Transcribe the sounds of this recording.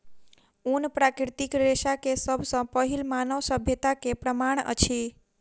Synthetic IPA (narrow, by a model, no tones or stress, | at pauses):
unpɾakɾit̪ikɾesakesəbʱsə̃pəɦilmanəwsəbʱjət̪akepɾəmaɳ̃ə̰t͡ʃʰi